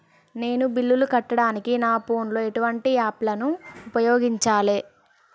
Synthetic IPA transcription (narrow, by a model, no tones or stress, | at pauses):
ne̞ːnubilːulukɐʈːɐɽaːnikinaːpo̞ːnlo̞ːe̞ʈuʋɐɳʈiaːplɐnuːpɐjoːɡiɲt͡ʃaːleː